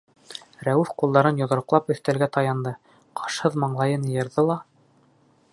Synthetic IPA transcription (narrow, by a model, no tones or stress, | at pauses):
ɾæwʉfqulˠd̪ɑɾɤnjŏðŏɾ̆qlˠɑpɵ̆θt̪ælɡæt̪ɑjɑnd̪ɤ | qʰɑʃhɤðmɑɴlˠɑjɤnjɤ̆ɾðɤlˠɑ